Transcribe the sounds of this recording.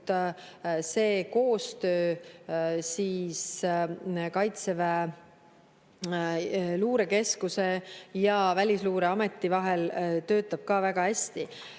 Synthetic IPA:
t̪ | se̞ːko̞ːst̪ø̞ː | siːs | kɑjt̪seve | luːɾe̞ke̞skuse̞jɑvælʲisluːɾeɑmet̪ːˑivɑɦe̞lt̪ø̞ːt̪ːˑɑb̥̚kɑːvæɡ̥ɑhæsʲt̪i

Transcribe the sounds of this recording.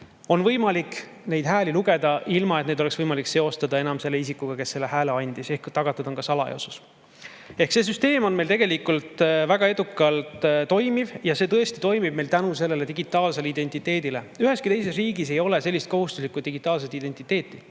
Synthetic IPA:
o̞nvɤjmɑlik | ne̞jd̪ɦæːliluɡe̞d̪̥ɑʔilmɑet̪ned̪oe̞ksvɤjmɑlikse̞o̞st̪ɑd̪ɑe̞nɑmse̞lːe̞isikːuɡ̥ɑke̞sːe̞lːe̞hæːleɑnʲd̪̥ise̞hkt̪ɑɡɑt̪ːˑud̪̥onkɑsɑlɑ̰ḛo̰su̥s | e̞hkse̞s̬yst̪e̞ːmo̞nme̞jlt̪e̞ɡ̥e̞likult̪væɡ̥ɑe̞d̪̥ukːˑɑlt̪t̪ːo̞jmivjɑse̞ːt̪ɤ̞est̪i̥t̪o̞jmib̥̚me̞jlt̪ænus̬e̞lːe̞le̞t̪iɡ̥it̪ːˑɑːlse̞lid̪e̞nʲt̪ˑit̪ːˑe̞ːd̪ile̞ | yɦe̞skit̪e̞js̬e̞s̬riːɡise̞jo̞le̞se̞lːist̪̚ko̞ɦust̪us̬likːˑud̪iɡit̪ːˑɑːls̬et̪id̪e̞nʲt̪ːˑit̪ˑːe̞ːt̪ːˑi

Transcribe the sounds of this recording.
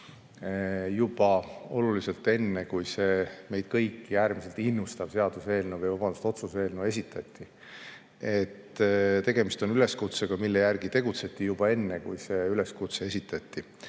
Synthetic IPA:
jub̥ɑo̞̰lulise̞lt̪ːˑe̞nːe̞kujse̞ːme̞jd̪̥kɤjkːiæːɾmise̞lt̪ˑinːust̪ɑb̥se̞ɑd̪̥use̞ːlnuvəjvɑbɑnd̪ust̪o̞t̪suse̞ːlnue̞s̬ʲit̪ʰːˑɑt̪ʲːi | e̞t̪ːt̪e̞ɡ̥e̞mist̪o̞nyle̞skut̪se̞ɡ̥ɑmilːe̞jærɡ̥it̪e̞ɡ̥ut̪se̞t̪ːˑijub̥ɑe̞nːe̞kujse̞yle̞skut̪see̞sit̪ːˑɑt̪ʲːi

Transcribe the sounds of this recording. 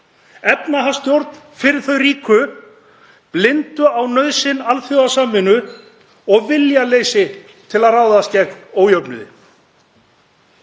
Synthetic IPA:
ɛpnaɦḁst̪jowɾt̪n̥ | fɪɾɪɾθœɥriːkʏ | plɪnt̪ʏawnœɥðsɪnalfjoasaːmɪnʏ | ɔɣvɪljaleːjsɪ | t̪ʰɪlaðraːwðascɛkoːwjœpnʏ̰ðɪ̰

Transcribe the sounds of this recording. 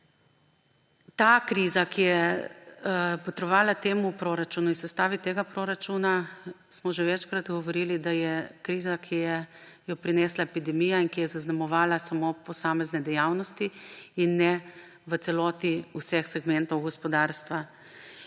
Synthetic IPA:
t̪akɾiːzakijɛ | pɔt̪ɾɔʋaːlat̪eːmupɾoːɾat͡ʃuːnuinsɛst̪aːʋit̪eːɡapɾoːɾat͡ʃuːna | smɔʒɛʋɛt͡ʃkɾat̪ɡɔʋɔɾiːlid̪ajɛkɾiːzakʰijɛjɔpɾinɛːslaepid̪ɛmijainkijɛzaznamɔʋaːlasamopɔsaːmɛznɛd̪ɛjawnɔst̪iinːɛ | ʋət̪sɛlɔːt̪iusɛxsɛɡmɛnt̪ɔwɡɔspɔd̪aɾst̪ʋa

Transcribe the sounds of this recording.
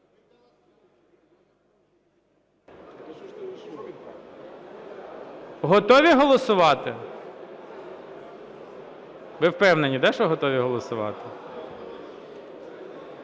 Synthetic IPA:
ɦɔt̪ɔʋʲiɦɔlˠɔsʊʋɑt̪ɪ | ʋɪwpɛwnenʲːid̪ɛʃɔɦɔt̪ɔʋʲiɦɔlˠɔsʊʋɑ̰t̪ɪ

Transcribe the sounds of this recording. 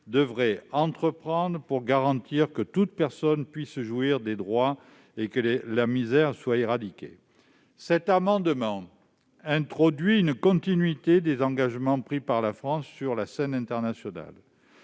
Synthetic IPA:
d̪əvʁɛɑ̃t̪χəpχɑ̃d̪ʁəpuʁɡaʁɑ̃t̪iʁkət̪ut̪pɛʁsɔnpɥisʒuiʁd̪ed̪ʁwa | ekəlamizɛʁswaeʁad̪ikʲḛ | sɛt̪amɑ̃d̪mɑ̃ | ɛ̃t̪χɔd̪ɥiynkɔ̃t̪inɥit̪ed̪ezɑ̃ɡaʒmɑ̃pχipaʁlafχɑ̃sːyʁlasɛnɛ̃t̪ɛʁnasjɔna̰l

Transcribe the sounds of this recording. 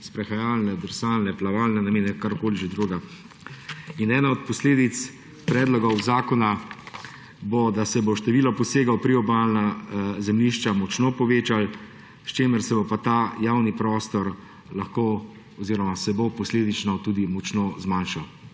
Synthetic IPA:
spɾɛxajaːlnɛd̪ɛɾsaːlnɛplaʋaːlnɛnameːnɛkaɾkoːliʒɛd̪ɾuɡa | inɛːnaɔt̪̚pɔsleːd̪it̪s | pɾɛːd̪lɔɡɔwzaːkɔna | bɔd̪asɛboʃt̪ɛʋiːlɔpɔseːɡawpɾiɔbaːlnazɛmliʃt͡ʃamɔt͡ʃnoːpɔʋeːt͡ʃal | ʃt͡ʃeːməɾsɛbɔpat̪aːjaːwnipɾɔːst̪ɔɾ | laxko | ɔziɾɔmasɛbopɔsleːd̪it͡ʃnɔt̪uːd̪imɔt͡ʃnoːzmanʃaw

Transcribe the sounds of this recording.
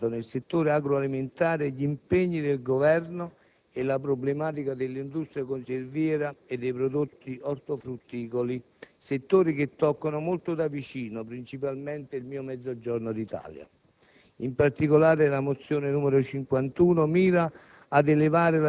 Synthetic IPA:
t̪onelset̪ːoːɾeaɡɾoaliment̪aːɾeʎimpeɲːid̪elɡovɛrno | elapɾoblemaːt̪̬ikad̪elːind̪ust̪ɾiakonservjɛːɾaed̪ːɛjpɾod̪ot̪ːiʔɔrt̪ofɾut̪ːiːkoli | set̪ːoːɾiket̪ːɔkːanʊmolt̪ʊd̪avit͡ʃiːnopɾint͡ʃip̬almɛnt̪eilmiːʊmɛd̪zːod͡ʒɔrnod̪it̪a̰ːlja̰ | impart̪ikolaːɾelamot̪sːjoːnenuːmeɾʊt͡ʃiŋkwant̪uːnomiːɾaː | d̪elevaːɾɪla

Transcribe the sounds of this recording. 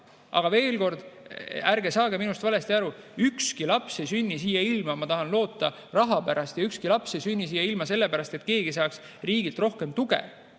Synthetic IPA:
ʔɑ̰ɡ̥ɑve̞ːlko̞rd̪̥æɾɡesɑːɡeminust̪vɑle̞st̪iɑɾuykskilɑpsejsynʲːisiːjɑilmɑmɑt̪ɑhɑnlo̞ːt̪ːˑɑ | rɑɦɑpæɾɑst̪jɑykskilɑpse̞jsynʲːisiːjːɑilmɑse̞lːepæɾɑst̪e̞t̪̚ke̞ːɡisɑːks | riːɡilt̪ro̞hke̞mt̪uɡḛ

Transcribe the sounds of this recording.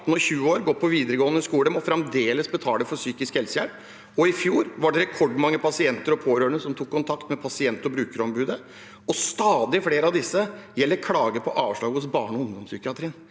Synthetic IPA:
t̪ːn̩ɔçʉːəoːɾɡɔt̪̚pʰɔʋiːd̪əɾəɡoːənəskuːləmɔfɾɛmd̪eːləsbət̪ʰɑːləfɔsyːkɪskhɛlsəjæɾp | ɔɪfjuːɾʋɑɖɛɾɛkʰɔɖmɑŋːəpʰɑsɪɛnt̪əɾɔpʰoːɾøːəɳəsɔmt̪ʰuːkʰːʊnt̪ʰɑkt̪mɛpʰɑsɪɛnt̪ɔbɾʉːkəɾɔmbʉːd̪ə | ɔst̪ɑːd̪ɪfleːɾəɑʋd̪ɪsːəjɛlːəɾkʰlɑːɡəpʰɔʔɑːʋʂɭɑːɡəʊsbɑːɳɔhʊnd̪ɔmsʏːkɪɑt̪ʰɾiːn

